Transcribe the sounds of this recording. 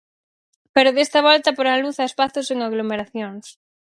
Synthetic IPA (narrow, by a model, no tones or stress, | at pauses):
peɾoðest̪ɐβ̞ɔlt̪ɐpoɾaluθaespaθoseŋaɣlomeɾaθjoŋs